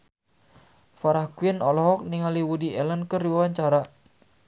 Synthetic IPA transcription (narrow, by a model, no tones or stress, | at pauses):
faɾahkwinɔlɔɦɔk̚niŋaliwudiɛlənkəriwawaɲt͡ʃaɾa